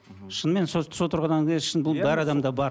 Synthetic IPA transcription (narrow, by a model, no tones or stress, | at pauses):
ʃənme̞nsosot̪ʰəɾʁɑnɑŋkʲʰeʃənbʊlˠbæɾɑd̪ɑmd̪ɑbɑɾ